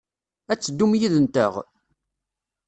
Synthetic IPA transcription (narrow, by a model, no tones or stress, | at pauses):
æt͡sːəd̪ːumjiðənt̪ə̰ʁ